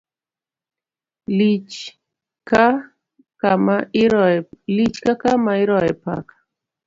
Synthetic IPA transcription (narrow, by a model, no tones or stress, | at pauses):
li | ka | kama | lit͡ʃkakamaiɾɔɛpa̰kḁ